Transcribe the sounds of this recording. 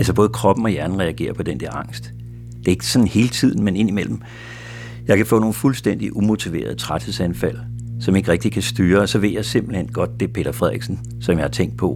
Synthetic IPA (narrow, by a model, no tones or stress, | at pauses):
ælsɒb̥ɔ̽ːð̞̩ˠəkʰʁɒ̽b̥n̩ɒ̽jæɐnn̩ʁɛæɡ̥e̝̰ːɐpʰɒ̽d̥end̥ɛɐɑ̈ŋ̰sd̥ | d̥e̝ɐe̝ɡ̥əsɒ̽n̩he̝ːlət͡sʰið̞̰ˠn̩mene̝nimel̰m̩ | jɑ̈ɪkʰæfɔ̰̽ːno̝ːn̩fulsd̥en̰d̥iʔumo̝t͡sʰiʋe̝̰ːɐðˠət͡sʰʁad̥heðˠsænfæl̰sɒ̽me̝ɡ̥ʁɛɡ̥d̥ikʰæsd̥yːɐɒ̽sɒ̽ʋe̝ð̰jɑ̈ɪse̝mb̥l̩henɡ̥ɒ̽d̥̚ːe̝pʰe̝̰ːd̥ɐfʁɛðˠiɡ̥sn̩ | sɒ̽mjɑ̈hɑ̈t͡sʰeŋ̰ɡd̥̚pʰɒ̽